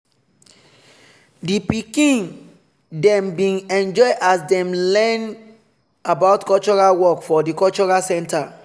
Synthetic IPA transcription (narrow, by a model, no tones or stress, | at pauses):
dipikĩn | dɛ̃mbĩnɛ̃nd͡ʒɔɪʔasdɛ̃mlɛn | abaʊtkɔlt͡ʃɔɹawɔkfɔdikɔlt͡ʃɔɹasɛ̃ntʰa